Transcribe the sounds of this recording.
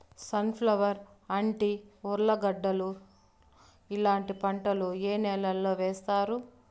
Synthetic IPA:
sɐnpʰlɐʋɐɾ | ɐɳʈiuɾlɐɡɐɖːɐlu | ilaːɳʈipɐɳʈɐlueːnɛːlɐlːoːʋɛːst̪aːɾu

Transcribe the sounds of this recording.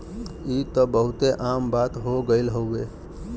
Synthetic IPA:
it̪əbəɦut̪eʔambat̪ɦoɡəɪlɦowe

